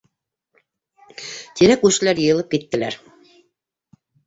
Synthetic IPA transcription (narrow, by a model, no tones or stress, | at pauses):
t̪iɾækʉʃɘ̆læɾjɤ̆jɤ̆lˠɤp̚kit̪ːɘ̆læɾ